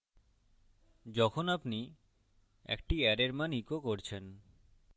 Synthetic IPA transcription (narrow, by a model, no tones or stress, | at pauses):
d͡ʑɔkʰonapni | ḛkʈiɛɾeɾmanikokoɾt͡ɕʰen